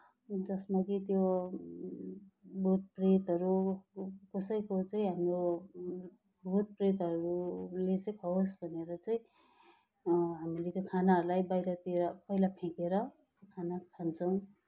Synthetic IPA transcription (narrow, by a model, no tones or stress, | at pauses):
d͡zʌsmakit̪jo | bʱut̪̚pret̪ʌɾu | kʌsʌjkot͡saĩɦamɾo | bʱut̪̚pret̪ʌɾulet͡sekaɦosbʱʌneɾʌt͡saĩ | ɦamilet̪jokʰanaʌɾulajbajɾʌt̪ieɾʌpʌilapʰẽkeɾʌ | t̪jokʰanat̪ʰant͡sʰʌw̃